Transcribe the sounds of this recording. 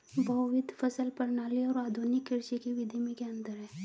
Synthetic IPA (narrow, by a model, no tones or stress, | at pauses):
bʱɐʊʋɪd̪ʱfəsəlpɐɾnaːliɔːɾaːd̪ʱunɪkːɪɾt͡ʃikiʋɪd̪ʱimẽkeə̃nd̪əɾɦɛ̃ː